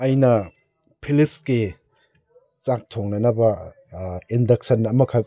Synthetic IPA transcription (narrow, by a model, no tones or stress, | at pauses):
ɐjnɐ | pʰilip̚sɡi | t͡ʃak̚tʰoŋnɐnɐbɐ | indɐksɐnːɐmɐkʰa